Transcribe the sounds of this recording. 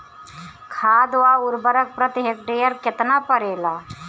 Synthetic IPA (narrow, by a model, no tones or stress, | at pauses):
kʰaːd̪ʋaʊɾbəɾək̚pɾət̪ɪɦekʈeːjəɾkɪt̪napəɾeːlaː